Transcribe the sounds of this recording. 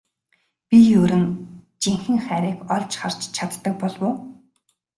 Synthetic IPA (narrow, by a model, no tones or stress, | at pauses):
pʲijɵɾɘ̆n | t͡ɕiŋxɘ̆ŋχæːɾiːkɔɮt͡ɕχar̥t͡ɕt͡ɕʰat̪ɮt̪ːə̆k̚pɔɮwʊː